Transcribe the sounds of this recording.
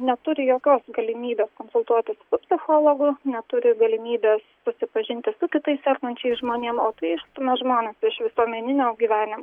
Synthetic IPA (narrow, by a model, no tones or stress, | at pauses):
nʲɛt̪ʊɾʲɪjoːkʲoːsɡɐlʲɪmʲiːbʲeːskoːnsʊlˠt̪uɔt̪ʲɪssʊpʲsʲɪxoːlˠoːɡʊnʲɛt̪ʊɾʲɪɡɐlʲɪmʲiːbʲeːssʊsʲɪpɐʒʲɪnʲt̪ʲɪsʊkʲɪt̪ɐɪssʲɛrkɐnʲt͡ʃʲɛɪsʒmoːnʲiɛmoːt̪ɐɪɪʃt̪ʊmʲɛʒmoːnʲeːsɪʃʋʲɪsuɔmʲɛnʲɪnʲoːɡʲiːʋʲæːnʲɪm